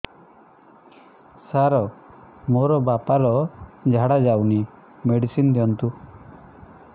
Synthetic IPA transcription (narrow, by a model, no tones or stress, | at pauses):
saɾɔ | moɾɔbapaɾɔd͡ʒʱaɽad͡ʒawni | meɽisind̪iɔnt̪u